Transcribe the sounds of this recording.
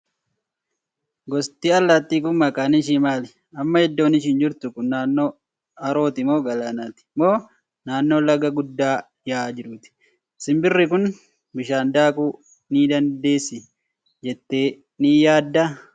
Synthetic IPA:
ɡɔst̪iːɐlːat̪ːiːkʊmmɐkʼaːnɪʃ̬iːmaːlɪ | ɐmːɐhɛd̪ːo̞ːnɪʃ̬ɪnd͡ʒɪɾt̪ʊkʊnːaːnːo̞ː | ɐɾo̞ːt̪ɪmo̞ːɡɐlaːnaːt̪ɪ̥moː | naːnːo̞ːlɐɡɐɡʊd̪ːaː | jaːd͡ʒɪɾʊt̪ɪ̥ | ɪsɪmbɪrːɪkʊn | bɪʃaːnd̪aːkʼuː | niːd̪ɐnd̪e̞ːsːɪ | d͡ʒɛt̪ːe̞ː | niːjaːd̪ːɐ

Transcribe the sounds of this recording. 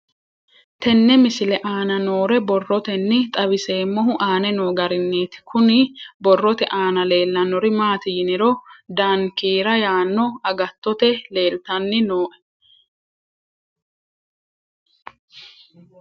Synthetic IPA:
t̪ɛnːɛmɪsɪlɛʔaːnɐnoːɾɛbɔrːɔt̪ɛnːɪt̪ʼɐbɪse̞ːmːɔɦʊʔaːnɛnoːɡɐɾɪnːeːt̪ɪ̥kʰʊnɪbɔrːɔt̪ɛʔaːnɐle̞ːlːɐnɔɾɪmaːt̪ɪjɪnɪɾɔd̪aŋkiːɾɐjaːnːɔɐɡɐt̪ːɔt̪ɛle̞ːlt̪ɐnːɪnoːʔɛ̥

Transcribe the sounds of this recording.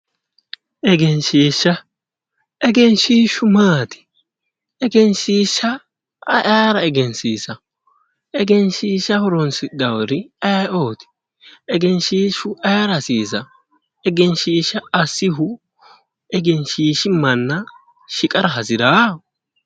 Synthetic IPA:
ʔɛɡɛnʃiːʃːɐ | ɛɡɛnʃiːʃʊmaːt̪ɪ̥ | ɛɡɛnʃiːʃːɐ̰ | ʔaːɾɐɛɡɛnsiːsɐ | ɛɡɛnʃiːʃːɐhɔɾɔnsɪd̪ɐwɔɾɪɐoːt̪ɪ̥ | ɛɡɛnʃiːʃʊʔɐjɾɐsiːsɐ | ɛɡɛnʃiːʃːɐɐsːɪɦʊ | ɛɡɛnʃiːʃɪmɐnːɐ | ʃɪkʼɐɾɐɦɐsɪɾaː

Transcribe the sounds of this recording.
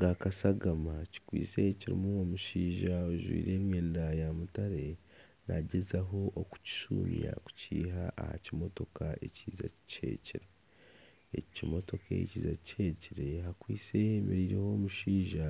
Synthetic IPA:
ɡakasaɡamaci̥kwiːse̞ciɾḭmuwomuʃiːʒaoʒwḭːɾe̞ːmweːndajamutaɾe̞ | na̰ɟezaɦo̞ʔoku̥ci̥ʃṵːmija̰ku̥ciːɦaʔaha̰cimo̞to̞kaeciːza̰cʰe̞̰ːciɾe | ecimo̞to̞kḛeciːzacʰe̞ciɾe̞hakwiːt͡se̞hemeɾiːɾe̞ho̞ːmuʃiːʒa

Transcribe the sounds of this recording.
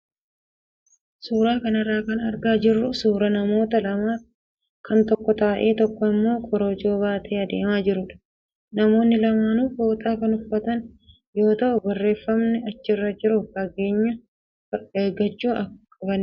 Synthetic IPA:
suːɾaːkɐnɐrːaːkɐnɐɾɡaːd͡ʒɪrːʊsuːɾɐnɐmo̞ːt̪ɐlɐmaːf | kʰɐnt̪ɔkːɔt̪aːʔe̞ːt̪ɔkːɔɪmːo̞ːkʼɔɾoːd͡ʒo̞ːbaːt̪ʰeːɐd̪e̞̰ːmaːd͡ʒɪɾʊᶑɐ̥ | nɐmo̞ːnːɪlɐmaːnufo̞ːt̪ʼaːkɐnʊfːɐt̪ɐn | jo̞ːt̪ɐʔʊbɐrːe̞ːfːɐmnɛɐt͡ʃːɪrːɐd͡ʒɪɾʊfkɐɡe̞ːɲːɐ | ɐeːɡɐt͡ʃːuːɐkʼɐbɐn

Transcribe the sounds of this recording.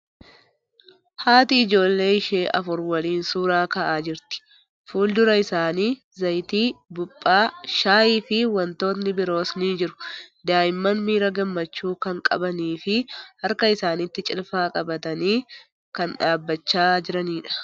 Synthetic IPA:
haːt̪ɪːd͡ʒo̞ːlːe̞ːɪʃeːʔɐ̰fʊɾwɐliːnsuːɾaːkɐʔaːd͡ʒɪɾt̪ɪ̥ | fuːld̪ʊɾɐɪsaːniː | zɐjt̪iːbʊpʼːaːʃaːʔiːfɪwɐnt̪o̞ːt̪nɪbɪɾo̞ːsniːd͡ʒɪɾʊ̥d̪aːjɪmːɐnmiːɾɐɡɐmːɐt͡ʃːuːkɐŋkʼɐ̰bɐniːfɪhɐɾkɐɪsaːnɪt̪ːɪt͡ʃʼɪlfaːkʼɐbɐt̪ɐniː | kɐnᶑaːbːɐt͡ʃːaːd͡ʒɪɾɐniːᶑɐ̥

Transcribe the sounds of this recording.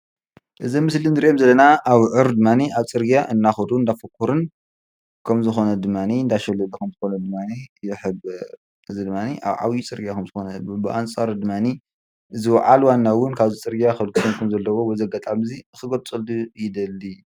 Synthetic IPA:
ʔɨzimɨslinɨɾiʔemzɐlːɐnaaβʕɨɾd̪ɨmːaniʔaβt͡sʼɨɾɡijaʔɨnːaxɐd̪uɨnd̪afɐkʰːuɾɨn | kʰɐmzɨxonɐd̪ɨmːaniɨnd̪aʃɛlːulukʰɐmzɨxonɐd̪ɨmːanijɪħɨb | ʔɨzid̪ɨmːaniʔa̰βʕa̰wjit͡sʼɨɾɡijakʰɐmzɨxonɐbɨʔant͡sʼaɾd̪ɨmːani | ʔɨziwɐ̰ʕalwanːawʊnkʰaβzit͡sʼɨɾɡijaxɐlksʰɨnkʰɐmzɐlːɐwowɔjzɐɡɐt̪ʼamzixɨɡɐt͡sʼɨld̪ujɪd̪ɐlːi

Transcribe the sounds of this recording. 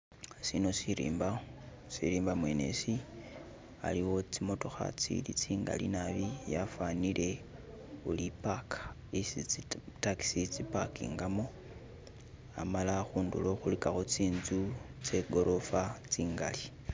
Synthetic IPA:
sino̞siɾḭːmba | siɾiːmbamwe̞ne̞̰si | a̰liwo̞t͡simo̞to̞xa̰t͡sḭlit͡siːŋɡa̰lḭnaβijafanile̞ | ulipakʰḁ | isitaki̥sit͡sipakḭːŋɡamo̞ | a̰malaxuːndṵlo̞xulikaxot͡siːnzut͡se̞ɡo̞ɾʔo̞fat͡siːŋɡa̰li

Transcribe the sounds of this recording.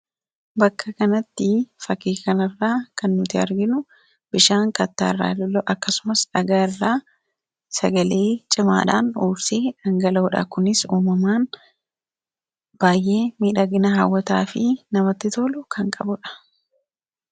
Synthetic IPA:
bɐkːɐkɐnɐt̪ːɪfɐkeːkɐnɐrːaːkɐnːʊt̪ɪɐ̰ɾɡɪnʊ | b̥ɪʃaːŋkʼɐt̪ːa̰ːrːa̰ːlɔloʔɐkːɐsʊmɐsᶑɐɡɐɪrːaː | sɐɡɐle̞ːt͡ʃʼɪma̰ːᶑa̰ːnuːbseːᶑɐŋɡɐlɐːᶑɐ̰kʊnɪsuːmɐmaːn | b̥aːjʔe̞ːmiːᶑɐɡɪnɐɦawːɐt̪a̰ːfɪnɐmɐt̪ːɪt̪oːlʊkʰɐŋkʼɐbʊᶑɐ̥

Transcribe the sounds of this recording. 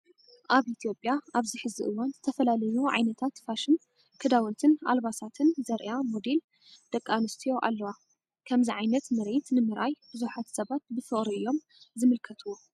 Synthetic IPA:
ʔaβit̪ʰijo̞pʼːjaʔaβziħɨziʔɨwanzɨt̪ʰɐfɐlalɐjuʕa̰jnɐt̪ʰat̪faʃɨn | kʰɨd̪awɐnt̪ʰɨna̰lβasat̪ʰɨnzɐɾʔjamod̪e̞l | d̪̥ɐkʼːanɨst̪ʰijo̞ʔa̰lːɐwa | kʰɐmziʕajnɐt̪mɨɾe̞t̪nɨmɨɾajbɨzuħat̪sɐβat̪̚bɨfɨχʼɾiɨjːo̞m | zɨmɨlkʰɐt̪ʰuwo

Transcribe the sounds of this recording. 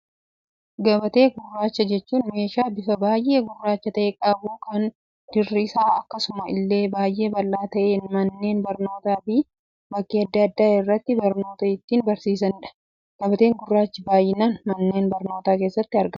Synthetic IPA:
ɡɐbɐt̪e̞ːɡʊrːaːt͡ʃːɐd͡ʒɛt͡ʃːuːnme̞ːʃaːbɪfɐbaːjʔe̞ːɡʊrːaːt͡ʃːɐt̪ɐʔeːkʼɐbukɐn | d̪̥ɪrːɪsaːɐkːɐsʊmɐɪ̰lːe̞ːbaːjʔe̞ːbɐlːaːt̪ɐʔe̞ːnmɐnːe̞ːnbɐɾno̞ːt̪aːbi | bɐkːiɐd̪ːɐɐd̪ːaːɪrːɐt̪ːɪbɐɾno̞ːt̪ɐɪt̪ːiːnbɐɾsiːs̬ɐnᶑɐ̥ | ɡ̥ɐbɐt̪eːŋɡʊrːaːt͡ʃːɪbaːjːɪnanmɐnːe̞ːnbɐɾno̞ːt̪aːkeːsːɐt̪ːɪɐɾɡɐ

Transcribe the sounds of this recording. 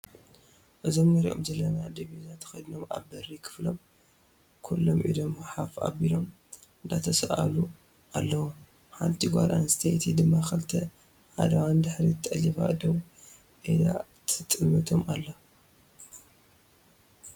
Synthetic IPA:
ʔɨzomnɐɾiʔo̰mzɐlːɐnad̪ɐβizat̪ʰɐ̥xɐjd̪ɨno̞ma̰βbɐrikʰɨ̥flo̞̰m | kʰulːomʔḭd̪o̞mħafa̰bilo̞m | ɨnd̪at̪ʰɐsʔa̰lu | ʔalːɐwo | ħalt̪ʰiɡʷa̰ɾʔa̰nst̪ʰet̪ʰid̪ɨmːaxɐlt̪ʰɐ | ħa̰d̪ɐwand̪ɨħɾit̪ʼɐlifa̰ʔɨd̪ɐβ | ʔida̰t̪ʰɨt̪ʼɨmːɐt̪ʰomʔalːɐ

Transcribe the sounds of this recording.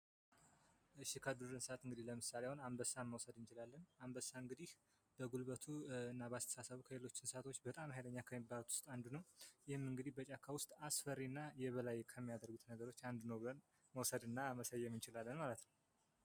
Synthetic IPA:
ɨʃikʰəd̪uɾɨnsəat̪ɨŋɡɨd̪ihləmɨsaleawonambəsːaməwsəd̪ɨnt͡ʃɪlalːənambəsaɨŋɡɨd̪ih | bəɡulβət̪ʰuɨnːabast̪ʰə̥sasəβukʰəlelo̞t͡ʃːɪnsəat̪ʰo̞t͡ʃːbət̪ʼamhajləɲːakʰəmibalt̪wʊ̥st̪ʼand̪unəwjɪhɨmɨŋɡɨd̪ihbət͡ʃʼakʰawʊst̪ʼasfəɾːinːajɛβəlajkʰəmːijad̪əɾɡut̪nəɡəɾo̞t͡ʃːand̪nəwblən | məwsəd̪ɨnːaməsəjːɛmɨnt͡ʃɪlalːənmalət̪nəww

